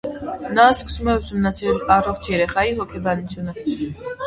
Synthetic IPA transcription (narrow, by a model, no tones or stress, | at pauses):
naːsksumɛwsumnat͡s̪ʰilaɾɔχt͡ʃʰɛɾɛχaiɦɔkʰɛbanisʰuna